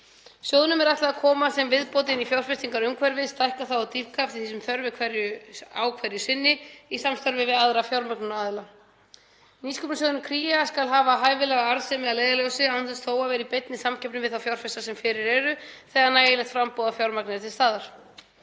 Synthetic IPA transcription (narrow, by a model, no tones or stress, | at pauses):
sjowðnʏmɛɾaht̪laðakʰɔːmasɛmvɪðpowt̪ɪnifjawr̥fɛst̪iŋkaɾʏmkʰvɛɾvɪðst̪ajhkaθawawt̪iv̥kʰaft̪ɪθisʏmθœɾvɪkʰvɛɾjʏawkʰvɛɾjʏsɪnːɪisamst̪œɾvɪvɪðaðɾafjawɾmaknʏnaːðɪla | niskɔpnasɔðʏnʏkʰɾiːjaskalɦaːvaɦaːjvɪlɛɣaaɾsɛmɪalejðaljɔwsɪawnθɛsθoːwavɛːɾipejt̪nɪsamcʰɛpnɪmvɪðθawfjawr̥fɛst̪asɛmfɪɾɪɾɛɾʏθɛːɣanaːjɪlɛxt̪fɾampowðafjawɾmaknɪat̪ʰɪlst̪aːðaɾ̥